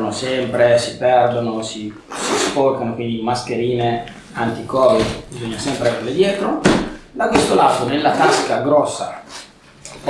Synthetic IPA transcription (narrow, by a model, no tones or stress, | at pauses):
nosɛmpɾesipɛrd̪onosi | sisporkanokwind̪imaskeɾiːne | ant̪ikɔːibizoɲːasɛmpɾeverled̪jɛːt̪ɾod̪akwest̪olaːt̪onelːat̪askaɡɾɔsːa